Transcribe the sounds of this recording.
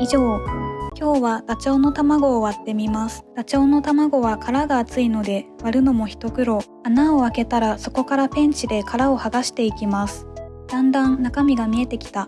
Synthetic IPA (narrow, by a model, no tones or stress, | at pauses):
iʑoːkʲo̞ːβaɡ̥at͡ɕo̞ːno̞t̪amaɡo̞ːβat̪ːe̞mʲimasɨ̥ɡ̥at͡ɕo̞ːno̞t̪amaɡo̞βakʰaɾaɡaːt͡sɨino̞d̪e̞βaɾɯ̟no̞mo̞çi̥t̪o̞kɯ̟ɾo̞ | anaoake̞t̪aɾaso̞ko̞kaɾapẽ̞ɲ̟t͡ɕid̪e̞kʰaɾao̞haɡaɕi̥t̪e̞ikʲimasɨ̥ | d̪̥ãnd̪ãnːakamʲiɡamʲie̞t̪e̞kʲi̥t̪a